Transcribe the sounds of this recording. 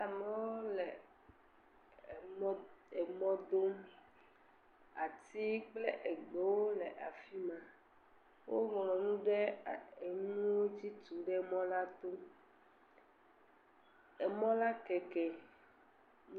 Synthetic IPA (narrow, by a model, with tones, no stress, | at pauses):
a˨mɛ˨˦wo˦lɛ˨˦ | e˨mɔ̃˦d̪o˦m | a˨t̪i˦k͡ple˦ʔe˨ɡ͡bɔ˨˦wo˦lɛ˨ʔa˨fi˦mã˨ | wo˦ŋlɔ̃˨nũ˦ɖɛ˦e˨ŋũũ˦wo˦d͡ʑi˦t̪u˨ɖɛ˦mɔ̃˦la˦t̪o˦ | e˨mɔ̃˦la˦kɛ˨kɛ˨